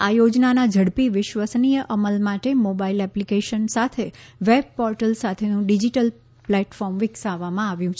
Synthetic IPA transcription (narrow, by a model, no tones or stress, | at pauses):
ajod͡ʒnanad͡ʒʱəɽpiʋɪʃʋəsnijəʔəməlmaʈemobailɛplikeʃənsat̪ʰeʋeb̚pɔɾʈəlsat̪ʰenũɖid͡ʒiʈəl | plɛʈfɔɾmʋɪksaʋːamãaʋjũt͡ʃʰe